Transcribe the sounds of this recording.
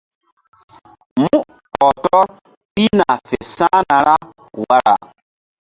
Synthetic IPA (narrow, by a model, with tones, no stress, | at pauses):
mũ˦ | ɔ˨tɔ˦ɾ | pi˦na˨fe˨sãː˦na˨ɾa˦ | wa˦ɾa̰˨